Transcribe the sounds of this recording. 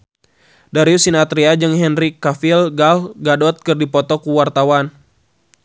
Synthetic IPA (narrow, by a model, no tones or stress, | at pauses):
daɾiusinat̪ɾiad͡ʒɨŋɦɛnrikafilɡalɡadɔt̪̚kɨrdipɔt̪ɔkuwart̪awan